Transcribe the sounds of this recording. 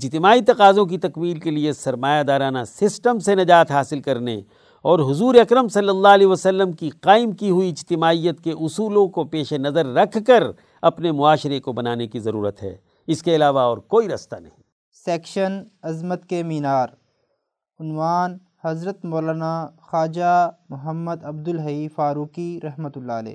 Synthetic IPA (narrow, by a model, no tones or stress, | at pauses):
ɪd͡ʒt̪ɪmaːit̪ɐqaːzõk̬it̪ɐkmiːlkeliesɐɾmaːjad̪aːɾaːnasɪsʈəmsenɐd͡ʒaːt̪ɦaːsɪlkɐɾnḛ | ɔːɾɦʊzuːɾeɐkɾəmsɐlːəlːaɐlɛːʋəsɐlːəmkiqaːɪmkiɦʊiɪd͡ʒt̪ɪmaːijːət̪keʔʊsuːlõkopeːʃenɐzəɾːɐkʰkəɾ | ɐpnemʊaːʃɾekobɐnaːnekizɐɾṵːɾət̪ɦɛ̰ː | ɪskeɐlaːʋaɔːɾkoːiɾɐst̪anɐ̰ɦĩː | seːkʃənɐzmət̪kemiːnaːɾ | ʊnwaːn | hɐzɾət̪moːlaːnaxaːd͡ʒamʊɦəmːəd̪ɐb̚d̪ʊlɦɐiːfaːɾuːkiɾɐɦmət̪ʊlːaːlɛ̰ː